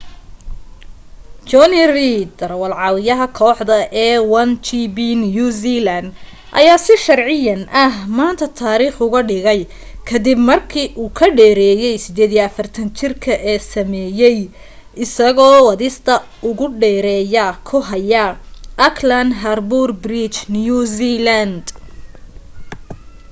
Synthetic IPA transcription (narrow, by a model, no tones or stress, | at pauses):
t͡ʃɔnirid̪ɐrwɐlʕɑwɪjɐɦɐkʰɔːħd̪ɐʔɛːwɐnt͡ʃibinjuzilɐnd̪ | ʔɐ̰jaːsɪʃɐrʕɪjɐnʔɐɦmaːnt̪ʰɐt̪ʰaːɾiːχʊɣɐɖɪɣɛj | kʰɐd̪ɪbmɐrkʰiːʔuːkʰɐɖɛːɾɛːjɛjsɪd̪ɛːðijɐɐfɐrt̪ʰɐnt͡ʃʰɪrkʰɐʔɛːsɐmɛːjɛj | ʔɪsɐɣɔːwɐðɪst̪ʰɐ | ʊɣʊɖɛːɾɛːjɐkʰʊɦɐjɐʔɐkʰlɐnd̪ɦɐrburbrit͡ʃnjuzilɐnd̪